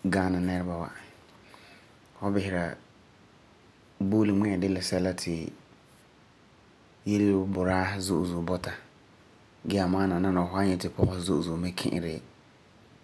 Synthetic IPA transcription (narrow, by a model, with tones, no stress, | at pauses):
ɡaː˦na˨nɛ˦ɾɪ˦ba˨wa̰˨ | hɔ˦bɪ˨hɪ˨ɾa˨ | boː˦lɪ˨mɛ˦ɛ˨dɪ˦la˨sɛ˦la˦tʰɪ˨ | je˦lbʊ˨ɾaː˦zo˦ʔzu˨bɔ˦ta˨ | ɡɛ˦a˨maː˦na˨na˦na˨ɦʊ˦a˦ɲɛ˨tɪ˨pʰɔ˦ɣɔ˦zʊ˦ʔzu˨mɪ˦kʰɪ̰̃˦ʔɪ̰˨ɾɪ˦